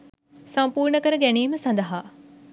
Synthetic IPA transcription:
sɐmpuːɾɳəkəɾəɡæniːməsɐnd̪ɐɦaː

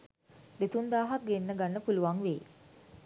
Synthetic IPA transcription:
d̪et̪und̪aːɦak̚ɡenːəɡanːəpuluʋaŋʋḛː

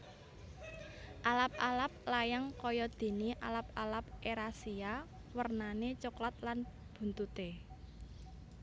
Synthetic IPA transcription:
ʔalap̚alap̚lajaŋkɔjɔd̪̥e̤niʔalap̚alap̚ʔeɾasia | wərnanet͡ʃoklat̪̚lan | b̥ṳnt̪ut̪e

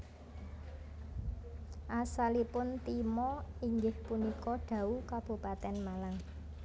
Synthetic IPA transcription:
ʔasalipʊnt̪imɔiŋɡɪhpunikɔɖ̥ä̤ukab̥ṳpat̪ɛnmalaŋ

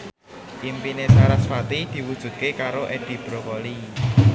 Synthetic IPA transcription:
ʔimpinet͡ʃaɾasfat̪id̪̥i̤wud̥ʒ̥ṳd̪̥̚kekaɾoʔed̪̥i̤b̥ɾokɔli

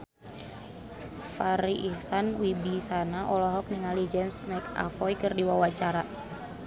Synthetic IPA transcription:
faɾiʔːhsanwibisanaʔɔlɔɦɔk̚niŋalid͡ʒɛmsmajka̰fɔjkərdiwawat͡ʃaɾa

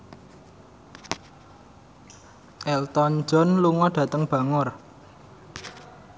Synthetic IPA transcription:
ʔɛlt̪ɔnd͡ʒɔnluŋɔɖ̥ä̤t̪əŋb̥ä̤ŋʊr

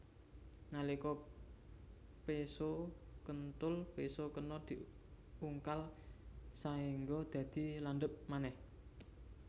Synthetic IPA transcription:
nalikɔ | pesokənt̪ʊlpesokənɔd̪̥i̤ | uŋkal | saiŋɡɔd̪̥ä̤d̪̥i̤lanɖ̪əp̚manɛh

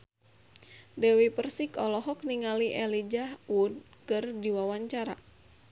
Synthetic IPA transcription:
dɛwipərsikɔlɔɦɔk̚niŋaliʔɛlid͡ʒahud̚ | kɨrdiwawaɲt͡ʃaɾa̰

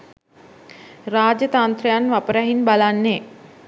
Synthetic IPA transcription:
raːd͡ʒət̪ant̪ɾejanʋapəɾaɦinbalanːe

